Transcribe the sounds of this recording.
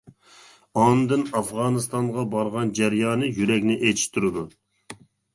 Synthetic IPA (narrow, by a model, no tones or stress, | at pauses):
ɑnd̪ɨnɑfʁɑːnɨst̪ɑŋʁɑbɑɾʁɑnd͡ʒæɾjɑːnɨjyɾɛkʲnɪʔet͡ʃ̪ʰi̥ʃt̪ʰuɾɨd̪u